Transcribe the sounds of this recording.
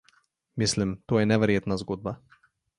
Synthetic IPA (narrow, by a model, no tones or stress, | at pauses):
mislimt̪oːjɛnɛʋɛɾjeːt̪nazɡoːd̪̚ba